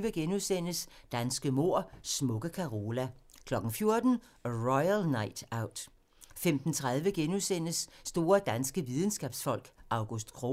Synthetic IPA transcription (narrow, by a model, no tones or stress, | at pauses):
ʋəɡ̥enusen̰əsd̥ænsɡ̥əmo̝ɐ̰smɔ̽ɡ̥əkʰɑ̈ʁoːlækʰlɒ̽ɡ̥n̩fjo̝ɐd̥n̩ | ʁɔɪælnɑ̈ɪd̥ɑ̈ʊ̰d̥ | femd̥n̩t͡sʰʁað̞ˠʋəɡ̥enuðsen̰əsːd̥o̝ːɐd̥ænsɡ̥əʋið̞ˠn̩sɡ̥ɛːb̥sfɒ̽l̰ɡ̥ɑ̈ʊɡ̥usd̥kʰʁo